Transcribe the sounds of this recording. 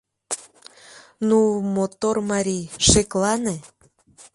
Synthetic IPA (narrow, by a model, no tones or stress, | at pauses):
numot̪ormɑɾʲiʃeklɑne